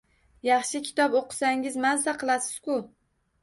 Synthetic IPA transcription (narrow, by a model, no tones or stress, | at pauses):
jɑχʃɪkʲʰɪ̥t̪ʰɒpoqʰɨ̥saŋɪzmazd̪aqʰɨlˠasɪ̥z̥kʲʊ